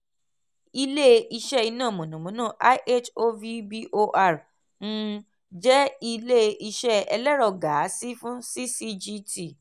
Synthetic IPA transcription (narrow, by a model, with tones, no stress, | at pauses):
i˧le˦i˧ʃɛ˦i˧nã˦˨mõ˨nã˨mõ˨˦nãː˦˨ʔa˦ʔe˦t͡ʃo˧vi˧bi˦ʔo˧ʔa˦˨ɾ | n̩˦ | d͡ʒɛ˦i˧le˦i˧ʃɛ˦ɛ̰˧lɛ˦ɾɔ˧˨ɡa˨˦si˦fũ˦si˦si˦d͡ʒi˦ti˦˨